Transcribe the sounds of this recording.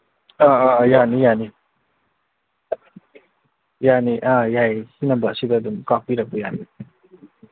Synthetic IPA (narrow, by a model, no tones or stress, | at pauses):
ããːjaːnijaːni | jaːniʔãjaehinɐmbasid̪ad̪umkapiɾɐkujani